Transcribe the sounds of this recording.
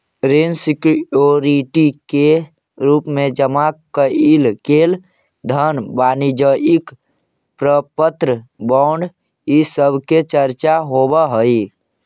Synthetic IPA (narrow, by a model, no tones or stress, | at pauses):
ɾensikoɾiʈike | ɾuːpmẽd͡ʒəmakəilkel | d̪ʱənbanid͡ʒəʔik | pɾəpət̪ɾəbaʊɳɖ | isəbʱket͡ʃəɾt͡ʃaɦobəɦəi